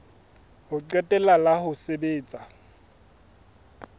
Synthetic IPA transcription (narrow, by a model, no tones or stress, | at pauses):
hʊǃɛtʼɛlalahʊsebeːt͡sʼa